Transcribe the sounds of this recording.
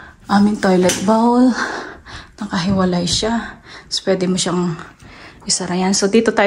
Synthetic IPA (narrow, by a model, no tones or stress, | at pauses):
ʔaːmɪŋt̪ojlɛt̪̚bawl | nɐkɐɦɪwɐlajʃaspwɛːd̪ɪmoʃaŋ | ʔɪsɐɾɐjansod̪iːt̪ot̪aː